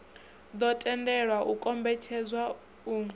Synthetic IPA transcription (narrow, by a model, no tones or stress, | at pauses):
d̪ɔtʼɛndɛɺwaʔukʼɔmbɛt͡ʃʰɛd͡zwa | u